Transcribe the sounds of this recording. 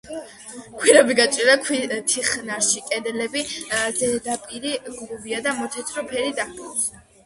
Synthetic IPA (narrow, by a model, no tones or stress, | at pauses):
kʰwiɾabiɡat͡ʃʼiɾakʰit̪ʰiχnaɾʃikʼɛd̪ɛlɛbid̪zɛd̪apʼiɾiɡluviad̪amɔt̪ʰɛt̪ʰʼɾɔpʰɛɾid̪akʰʼ